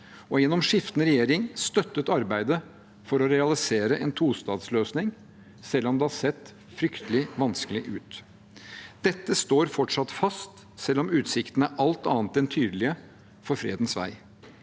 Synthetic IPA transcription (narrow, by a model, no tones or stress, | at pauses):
ɔjɛnːɔmʂɪft̪ənəɾɛjeːɾɪŋst̪œt̪ːət̪ɑɾbæɪd̪ə | fɔɾɔɾɛɑlɪseːɾəʔɛnt̪ʰuːst̪ɑːd̪sløːsnɪŋ | sɛlːɔmd̪ɛhɑɾsɛt̪ː | fɾʏkt̪əlɪʋɑnskəlɪʔʉːt̪ | d̪̥ɛt̪ːəst̪oːɾfɔʈʂɑt̪fɑst̪ | sɛlːɔmʉːt̪sɪkt̪ən̩æɾʔɑlt̪ɑ̰ːnt̪ɛnt̪ʰyːd̪əlɪə | fɔɾfɾḛːd̪n̩sʋæ̰ɪ